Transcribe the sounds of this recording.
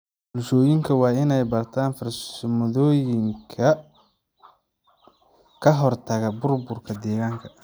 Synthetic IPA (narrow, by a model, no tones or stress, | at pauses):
bʊlʃɔːjɪŋkʰɐwɑːɪnɛjbɐrt̪ʰaːnfɐrssmɔðɔːjɪŋkʰɐ | kʰɐɦɔrt̪ʰɐɣɐbʊrbʊrkʰɐd̪ɛːɣaːŋkʰɐ̥